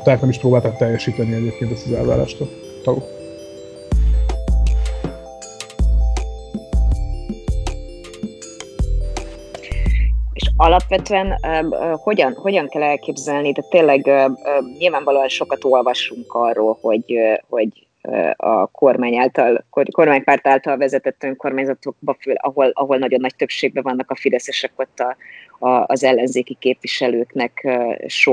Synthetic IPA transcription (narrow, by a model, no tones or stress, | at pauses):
t̪aːknɛmiʃpɾoːbaːlt̪ɔk̚t̪ɛjːɛʃiːt̪ɛniɛɟeːp̚keːnt̪ɛst̪ɒzɛ̰lva̰ːɾa̰ːʃt̪ol | t̪ɒlo | eʃɒlɒpʋɛt̪øɛnho̞ɟɒnho̞ɟɒŋkɛlɛlkeːbzɛlnit̪ɛːt̪ːeːnlːɛɡøɲilvaːɱvɒloːɒnʃo̞kɒt̪o̞lvɒʃuŋkɒrːoːlho̞ɟho̞ɟ | ɒ̰kʰo̞rmaːɲaːlt̪ɒlkoko̞rmaːɲpaːrt̪aːlt̪ɒlvɛzɛt̪ɛt̪ːøŋko̞rmaːɲzɒt̪o̞k̚bɒfølɒ̰ɦo̞lɒɦo̞lnɒɟo̞nːɒc̚t̪øpʃeːɡ̚bɛvɒnːɒkɒfid̪ɛsɛʃɛko̞t̪ːɒɒːzɛlːɛnzeːkikeːpʋiʃɛløːknɛkːʃo